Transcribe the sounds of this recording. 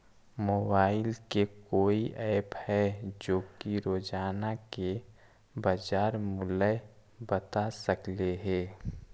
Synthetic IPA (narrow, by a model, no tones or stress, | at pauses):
moːbaːɪlkekoːiʔɛːphɛd͡ʒoːkiɾoːd͡ʒaːnake | bəd͡ʒaːɾmʊlə | bət̪asəkleɦɛː